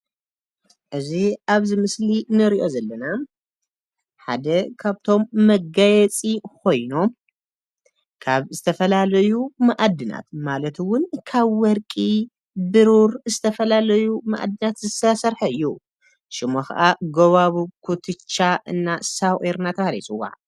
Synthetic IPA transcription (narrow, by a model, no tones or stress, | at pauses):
ʔɨziʔaβzɨmɨslinɨɾiʔo̞zɐlːɐna | ħa̰d̪ɐkʰaβt̪ʰo̞mːɐɡajɛt͡sʼikʰo̞jno̞m | kʰaβzɨt̪ʰɐfɐlalɐjumaʔad̪ːɨna̰t̪malɐt̪wʊnkʰaβwɔɾkʼi | bɨɾuɾzɨt̪ʰɐfɐlalɐjuma̰ʔa̰d̪ːɨnat̪zɨsɐsɐɾħɐɨjːu | ʃɪmoxɐ̰ʔaɡɐβaβukʰut̪ʰɨt͡ʃːaʔɨnːasaweɾnat̪ʰɐxlḭsʼɨwa̰ʕ